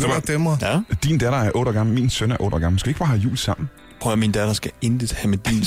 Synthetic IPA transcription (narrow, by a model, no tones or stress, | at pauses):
d̥d̥emɐd̥ind̥æɾ̥ɐæɐʔɔ̽ːɾɒɡ̥ɑ̈ml̩minsønæɐʔɔ̽ːɾ̥ɒɡ̥ɑ̈ml̩skɛʋieɡ̥ɑ̈ːhæjṵːlsɑ̈m̰n̩ | pʰɔɐmind̥æd̥ɐsɡ̥æend̥ət͡sʰhæmed̥ḭːn